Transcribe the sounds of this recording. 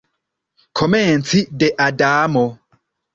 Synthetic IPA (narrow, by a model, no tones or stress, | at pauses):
kʰɔmɛ̃n̩t͡sʰidɛʔadaːmɔ